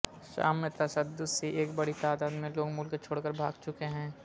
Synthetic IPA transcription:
ʃa̰ːmet̪ɐsəd̪ːʊd̪seʔeːkbɐɽit̪aːd̪aːd̪mẽloːɡmʊlkt͡ʃʰoːɽkəɾbʱa̰ːɡt͡ʃʊkeɦɛ̃ː

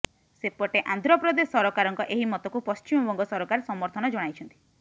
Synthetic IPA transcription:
sepɔʈeʔand̪ʱɾɔpɾɔd̪esɔɾɔkaɾɔŋkɔʔeɦimɔt̪ɔkupɔst͡ʃimɔbɔŋɡɔsɔɾɔkaɾsɔmɔɾt̪ʰɔnɔd͡ʒɔɽ̃ajt͡ʃʰɔnt̪i̥

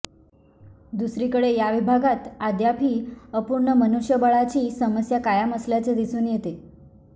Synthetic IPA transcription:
d̪usɾikəɽejaʋibʱaɡat̪ad̪japiːəpuɾɳəmənuʂjəbəɭat͡ɕiːsəməsjakajaməslat͡sed̪isuːnjet̪e

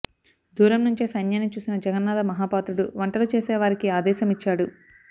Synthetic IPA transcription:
d̪ʱuːɾɐmnuɲt͡ʃisɐnjaːnit͡ʃuːsinɐd͡ʒɛɡɐnːaːd̪ɐmɐɦaːpaːt̪ɾuɽuʋɐɳʈɐlut͡ʃeːsɛːʋaːɾikiaːd̪ɛːʃɐmit͡ʃːaːɽu

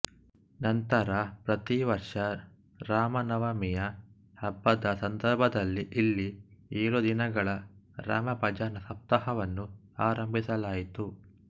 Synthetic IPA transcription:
nɐnt̪ɐɾɐpɾɐt̪iʋɐɾʂɐ | ɾaːmɐnɐʋɐmijɐ | hɐbːɐd̪ɐsɐnd̪ɐɾbʱɐd̪ɐlːiʔilːieːɾud̪inɐɡɐɭɐɾa̰ːmɐpɐd͡ʒaːnɐsɐp̚t̪ɐɦɐʋɐnːu | aːɾɐmbʱisɐlaːjit̪u

